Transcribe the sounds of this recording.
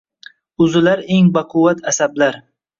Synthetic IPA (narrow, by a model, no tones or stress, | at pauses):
ʊzɪlaɾeŋbaqʰʊwat̪ʰasablaɾ